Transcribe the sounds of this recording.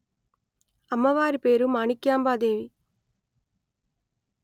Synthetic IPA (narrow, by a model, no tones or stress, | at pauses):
ɐmːɐʋaːɾipeːɾumaːnikjaːmbaːd̪eːʋi